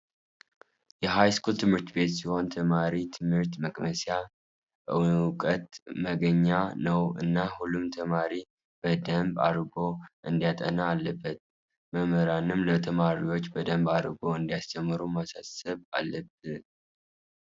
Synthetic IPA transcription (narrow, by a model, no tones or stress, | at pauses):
jɛɦajskʰult̪ʰɨmhɨɾt̪be̞t̪siho̞nt̪ʰəmaɾit̪ʰɨmhɨɾt̪məkʼməsja | ʔɨkʼət̪məɡəɲːanəwɨ̰nːahulːumt̪ʰəmaɾi | b̥əd̪əmba̰ɾɡo̞ʔɨnd̪ijat̪ʼə̰naːlːəbːət̪̚ | məməɾanɨmlət̪ʰəmaɾiwo̞t͡ʃːbəd̪əmbaɾɡo̞ɨnd̪ijast͡ʃɛmːɨɾumasasəβa̰lːəb̥̚ɨ